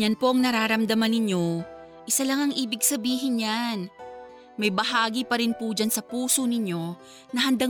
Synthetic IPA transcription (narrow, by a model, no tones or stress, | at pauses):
anpo̞ʔɐŋnɐɾaːɾɐmd̪ɐmanɪɲjo̞ | ʔɪsɐlɐŋɐŋʔiːbɪɡ̚sɐbiːɦɪnjan | mɐjbɐɦaːɡipɐɾɪnpʊd͡ʒansɐpuːsonɪɲjo̞ | nɐɦɐnd̪a